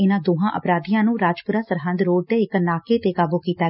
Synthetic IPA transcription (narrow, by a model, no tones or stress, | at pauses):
ɪnãːd̪oːɦãːʔə̰pɾaːd̪ijãːnũːɾaːd͡ʒpʊɾaːsəɾɦə̃nd̪ɾoːɖ̚t̪eːɪkənaːkeːt̪eːkaːbuːkiːt̪aː